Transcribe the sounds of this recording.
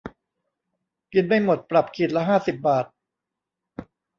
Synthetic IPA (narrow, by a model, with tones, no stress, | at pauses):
ki˧nma˥˩jmo˨˩t̪̚pɾa˨˩p̚kʰi˨˩t̪̚lɛ˦˥ɦaː˥˩si˨˩p̚baː˨˩t̪̚